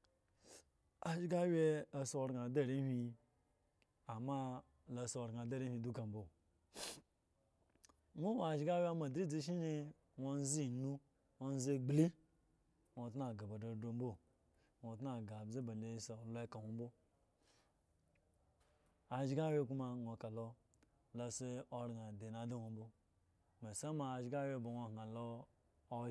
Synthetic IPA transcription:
a˨ʒɡa˦wʲe˦a˨so˦˨ɾɡa˨de˦˨ɾi˦hʷi˦ | a˨ma˦ | la˨so˨ɾɡa˨da˦ɾi˦hʷi˨du˦ka˨m̩˦bo˦ | mo˦wa˨ʒi˦ɡa˦wʲa˦ma˨dɾi˦d͡zi˦ʃ̬i˦ni˦ | wo˦n˦zi˦˨nu˦ | wo˦n˦ze˦ɡ͡bli˦ | ŋʷo˨t̬na˨ɡa˨ba˨do˨do˦m˦bo˦˨ | no˨tna˦˨ɡa˨bze˦ba˨le˨˦so˨lo˦e˦ka˨wʷo˦m˦bo˦ | a˨d͡ʒi˦ɡa˦we˦ku˦ma˦ŋʷo˨ka˨lo˦ | la˨se˦o˨ɾna˨de˨na˨da˦wʷo˨m˦bo˦ | me˨sa˦ma˨a˨ʒi˦ɡa˦we˦˨bo˨wo˨ŋ˨a˨loː˦

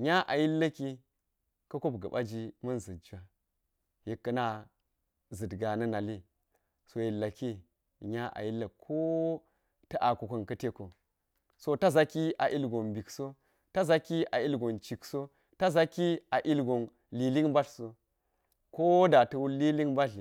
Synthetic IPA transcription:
ɲa˦ʔa˨ji˦lːa˦ki˦ | kɐ˦ko˦bɡɐ˨ba̰˦d͡ʒi˦mɐ˦nzɨ˨dd͡ʒa˨ | ji˨kːɐ˦na˦ | zɨ˨dɡa˨nɐ˦na˨li˦ | so˨ji˨lːa˨ki˦˨ | ɲa˦ʔa̰˨ji˦lːa˨kʰo˦ | tɐ˦ʔa˨ku˨kɐ˨nkɐ˦te˦ko˨ | so˦ta˦za˦ki˦a˨ʔi˦lɡo˨nbi˨kso˦ | ta˦za˦ki˦ʔa˨i˦lɡo˨nt͡ʃi˨kso˦ | ta˦za˦ki˦a˨ʔi˦lɡo˨n | li˨li˦ŋba˦ɬso˦ | ko˦da˨tɐ˦wuː˦i˦li˦ŋba˦ɬ

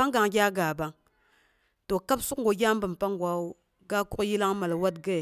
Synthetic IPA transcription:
a˦ŋ˦ɡa˨ŋɡʲa˦ɡa˨ba˨ŋ | to˨ka˦bsu˦kŋ˦ɡo˨ɡʲa˦m˦bə˨mpa˦ŋ˦ɡʷa˨wu˦ | ɡa˦ku˦kji˦la˦ŋma˨lwa˦tɡe˦˨

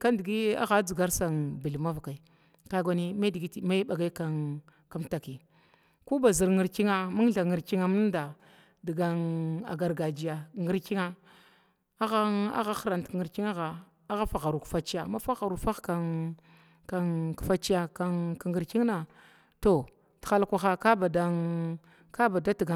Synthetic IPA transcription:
ka˦ndi˨ɡi˦a̰˦ɣa˦d͡zi˨ɡa˦ɾsa˨nbi˨lma˦va˨ka˨i˨ | ka˦ɡʷa˨˦ni˦ma˦di˨ɡi˦tma˦i˦ɓa˨ɡa˦i˦ka˦n | ka˦mta˨ki˨ | ku˦ba˨zi˨ɾŋi˨ɾki˦ŋa˦mu˦ŋɬa˨ŋi˨ɾki˦ŋa˨mu˦n˦da˨ | di˨ɡa˨˦na̰˨ɡa˨ɾɡa˨d͡ʒi˨ja˨ŋi˦ɾki˦ŋa˦ | a˦ɣa˦a̰˦ɣa˦xɾa˨ntŋi˨ɾki˦ŋa˦ɣa˨ | a˦ɣa˦fa˨ɣa˨ɾu˨kfa˨t͡ʃi˦ja˨ma˦fa˦ɣa˨ɾu˨fa˦ka˨ | ka˨kfa˦t͡ʃi˦ja˨ka˦ka˨ŋɡi˨ɾki˦ŋna˨ | to˨ | ti̥˨xa˦lkʷa˨xa˦ka˦ba˨da˦ | ka˦ba˨da˦ti˨ɡa˨

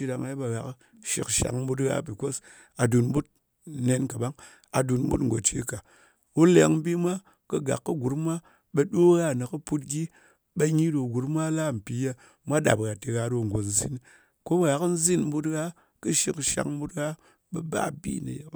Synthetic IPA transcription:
i˧da˧ŋa˦ba˨ɣa˨k | ʃḭ˨kʃa̰˨ŋ̩˦bu˧tɣa̰˦pi˨ko˦s | a˨du˨n˦bu˦t̚ | ne˧nka˨ba˦ŋ | a˨du˨n˦bṵ˦tŋ̩˨ɡo˨t͡ʃi˦ka˨ | wu˦le˨˦ŋ̩˦bi˦mʷa˦ | kɨ˧ɡa̰˨kːɨ˦ɡu˨˦ɾmʷ˦a˦ | ɓe˧ɗo˦ɣa˦˨nɨ˨kɨ˦pu˦t̚ɡʲi˦ | ɓe˧ɲi˦do˨ɡu˨ɾmʷ˦a˦la˦˨m̩˨pi˨je˦ | mʷa˦ɗa̰˨pɣa˨ti˧ɣa˧do˧ŋ˨ɡo˨n̩˦zḭ˦n | ko˦ba˨ɣa˨kn̩˦zi˦nm̩˦bu˦tɣa˦ | kɨ˦ʃi˧kʃa̰˨ŋ̩˦bu˦tɣa˦ | ɓɐ˨ba̰˦bḭ˦˨nɨ̰˨je˦

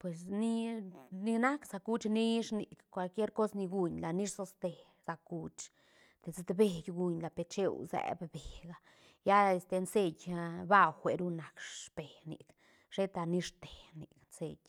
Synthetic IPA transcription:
pwe˨sni˦ni˧na˦ksa˧ku˦t͡ʃni˦ʂni˨kkʷa˧lkje˦ɾko˦sni˧ɡu˧ɲla˨ni˦ʂso˧st̪e˨ | z̥a˨ku˧t͡ʃ | t̪e˨ze˧t̪be˨ɡɡu˧ɲla˨pe˧t͡ʃḛ˦wzɛ̰˨bbe˨ɡa˧ | ja˦e˧st̪e˧nse˧jʲba˦wxʷe˨ɾu˦na˨kʂpe˨nḭ˨k | ʂe˦t̪a˧ni˧ʂt̪e̥˨nḭ˨knse˧jʲ

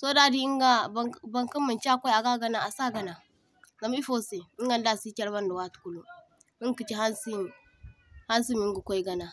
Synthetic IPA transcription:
so˦da˦di˦i˦ŋɡa˦ba˨ŋka˦mːa˨nt͡ʃkʷa˦ja˨ɡa˦ɡa˦na˨a˨sa˦ɡa˨na˨ | ɡa˨m˦i˦fo˦se˨i˦ŋɡa˦n˦da˦˨si˦kʲa˦ɾba˦nda˨wa˦˨tku˦lu˦ | i˦ki˨t͡ʃi˦ha˦nsi˦m | ha˦nsi˦mi˦ŋɡu˨kʷo˦i˦ɡa˨na˨

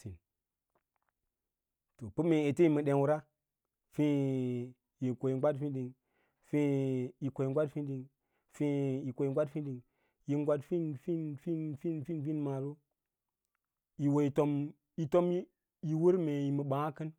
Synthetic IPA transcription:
ti˨n | to˨pu˦me˨e˨te˦i˨mə˨ɗe˨nwu˦ɾa˦ | fi˦ | ji˨ko˨ji˨˦ɡʷa˦tfi˦ɗi˨ŋ | fi˦ji˨ko˨ji˨ŋɡʷa˦tfi˦n˦ɗi˨ŋ | fi˦i˨kʷo˨i˨ŋɡʷa˦tfi˦ɗi˨ŋ | ji˦ŋ˦ɡʷa˦tfi˦nfi˦nfi˦nfi˦nfi˦nfi˦nma˨ɾu˦ | ji˨wo˨i˨to˦m | i˨to˦m˦ | ji˨wu˦ɾme˨ji˨mə˨ɓã˨a˦kə˦n

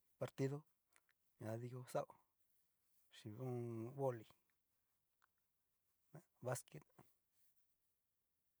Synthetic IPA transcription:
pa˧ɾt̪i˦ðo˦ | ɲã˨ði˧ko˧sa˦ʔo˧ | ʃi˨ũ˦βo˦li˨ | na˧ | βa˦ske˦t̪

